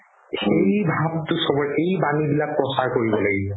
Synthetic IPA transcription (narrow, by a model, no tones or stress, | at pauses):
xejbʱabtʊsɔbɔɹʔejbanibilak̚pɹɔsaɹkoɹibɔlaɡibɔ